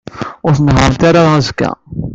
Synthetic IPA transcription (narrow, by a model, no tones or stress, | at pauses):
ʊɾθənɦəɾnt̪aɾaðæzkːæ̰